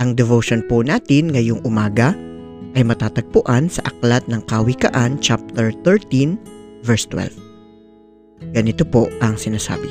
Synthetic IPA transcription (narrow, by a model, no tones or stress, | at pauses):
ʔɐŋd̪ɛvoʃonpʊnaːt̪ɪnŋɐjoŋʔʊmaːɡɐ | ʔɐjmɐt̪aːt̪ɐɡ̚pʊʔansɐʔɐk̚lat̪̚nɐŋkɐwɪkɐ̰ʔant͡ʃap̚t̪ɛɹt̪ɛɹt̪invɛɹst̪wɛ̰lv | ɡ̥ɐnɪt̪opoʔɐŋsɪnaːsa̰ːbɪ